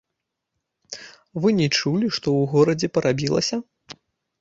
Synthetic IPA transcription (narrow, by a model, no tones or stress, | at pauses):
vɨnʲɛt͡ʂulʲiʂt̪ɔwɣɔɾɐd͡zʲɛpɐɾʔabʲilˠɐ̰sʲɐ